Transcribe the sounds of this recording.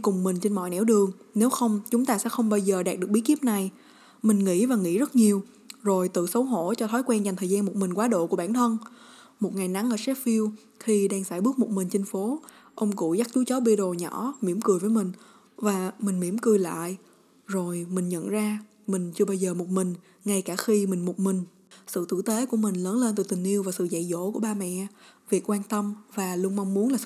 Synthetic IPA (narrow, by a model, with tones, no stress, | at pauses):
kʊ˨˩ŋ͡mmï˨˩ŋ̟t͡ɕe˧nmɔ̰˧˨jnɛ̰˧˥wɗɨ˨˩əŋne˨˦wxə˧wŋ͡mt͡ɕʊ˨˦ŋ͡mt̪aː˧sɛ̰˧˥xə˧wŋ͡mɓaː˧wzəː˨˩ɗaː˨˩k̚ɗɨ˨˩ək̚ɓk̪i˦˥p̚na˨˩j | mï˨˩ŋ̟ŋḭ˧˥vaː˨˩ŋḭ˧˥zə˦˥t̚ɲi˨˩əw | zo˨˩jt̪ɨ̰˧˨sə˨˦wɦo̰˧˥t͡ɕɔ˧t̪ʰɔ˨˦jkwɛ˧nza˨˩ŋ̟t̪ʰəː˨˩jzaː˧nmo˨˩t̚mï˨˩ŋ̟kwaː˨˦ɗo̰˧˨ku˧˩əɓaː˧˩nt̪ʰə˧n | mo˨˩t̚ŋa˨˩jna˨˦ŋʔəː˧˩sɛ˦˥t̚fi˧əw | xi˧ɗaː˧ŋsaː˧˩jɓɨ˦˥k̚mo˨˩t̚mï˨˩ŋ̟t͡ɕï˧ŋ̟fo˨˦ | ʔə˧wŋ͡mkṵ˧˩za˦˥k̚t͡ɕu˨˦t͡ɕɔ˨˦ɓi˧ɗo˨˩ɲɔ̰˧˥mi˧˩əmkɨ˨˩əjvəː˨˦jmï˨˩ŋ̟ | vaː˨˩mï˨˩ŋ̟mi˧˩əmkɨ˨˩jla̰ː˧˨j | zo˨˩jmï˨˩ŋ̟ɲə̰˧˨nzaː˧ | mï˨˩ŋ̟t͡ɕɨ˧ɓaː˧jzəː˨˩mo˨˩t̚mï˨˩ŋ̟ | ŋa˧jkaː˧˩xi˧mï˨˩ŋ̟mo˨˩t̚mï˨˩ŋ̟ | sɨ̰˧˨t̪ɨ̰˧˨t̪e˨˦ku˧˩əmï˨˩ŋ̟ləː˨˦nle˧nt̪ɨ˨˩t̪ï˨˩ŋ̟ʔi˧əwvaː˨˩sɨ̰˧˨za̰˧˨jzo̰˧˥ku˧˩əɓaː˧mɛ̰˧˨vi˨˩ək̚kwaː˧nt̪ə˧mvaː˨˩lu˧əŋma˧wŋ͡mmu˨˦ənlaː˨˩sɨ˧˨